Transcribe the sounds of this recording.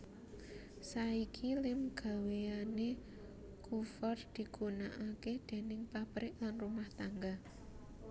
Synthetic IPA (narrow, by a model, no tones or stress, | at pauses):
saikʰilɪmɡ̥a̤weane | kʰufɔrd̪̥i̤ɡ̥unaʔaked̪̥e̤nɪŋpapɾɪʔlanrumaht̪aŋɡa